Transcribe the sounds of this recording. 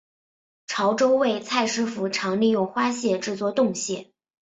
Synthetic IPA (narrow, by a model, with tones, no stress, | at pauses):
ʈ͡ʂʰɑ˧˥ʊʈ͡ʂo˥ʊwe˥˩ɪt͡sʰa˥˩ɪʂɻ̩˥fu˧˥ʈ͡ʂʰɑ˧˥ŋli˥˧jʊ˥˩ŋxwa˥ɕjɛ˥˧ʈ͡ʂɻ̩˥˧t͡swɔ˥˧t̪ʊ˥˧ŋɕjɛ̰˥˩